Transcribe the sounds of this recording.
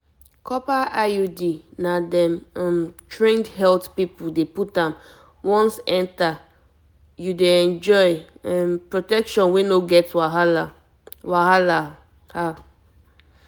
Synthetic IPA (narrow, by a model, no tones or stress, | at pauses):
kʰɔpaʔajudinadɛ̃mãmtɹẽndɦɛltpipuldeputãm | wɔ̃nsɛ̃nta | judeɛ̃nd͡ʒɔjɛ̃mpɹotɛkʃɔ̃nwenoɡɛtwaɦala | wahala | ha